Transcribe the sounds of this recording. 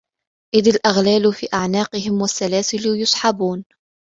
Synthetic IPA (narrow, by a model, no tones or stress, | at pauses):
ʔɪðalʔaɣlaːlfiːʔaʕnaːqɨhɪmwasːalaːsɪlʊjʊsˤħɑbuːn